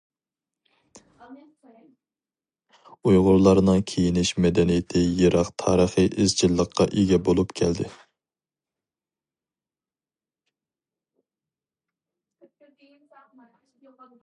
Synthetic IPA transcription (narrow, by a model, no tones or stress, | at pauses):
ujʁʊɾlˠɑɾnɨŋkʲʰejinɪʃmɛd̪ɛnijɪt̪ʰɪjeɾʔɑqt̪ʰɑːɾəχəʔɪzt͡ʃʰilˠːəqʰːɑʔeɡʲɛbolˠupkʲʰɛld̪ɪ